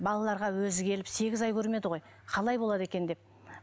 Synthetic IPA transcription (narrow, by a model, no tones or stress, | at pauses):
bɑlˠɑlˠɑɾʁɑwɵzɪɡʲʰe̞lɪpse̞ɡʲɪzɑjkʲʰɵɾme̞d̪əʁo̞j | qʰɑlˠɑjbo̞lˠɑd̪e̞kʲe̞nd̪e̞p̚